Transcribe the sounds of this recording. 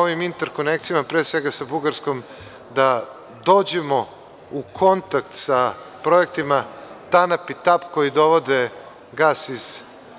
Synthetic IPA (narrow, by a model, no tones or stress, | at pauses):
oʋimint̪eɾko̞nek̚t̪sijamapɾeːsʋe̞ɡasabuɡaɾsko̞m | d̪a | d̪o̞ːd͡ʑe̞mo | ukʰo̞nt̪ak̚t̪sapɾo̞ek̚t̪imat̪anapit̪apko̞jid̪o̞ʋo̞d̪e | ɡaːsiz̥